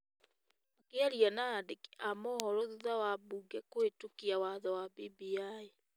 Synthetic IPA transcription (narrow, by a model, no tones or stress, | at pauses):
akeaɾianaːdeki̥amɔhɔɾɔðuðawabuːɡɛkwetukiawaðɔwabibiai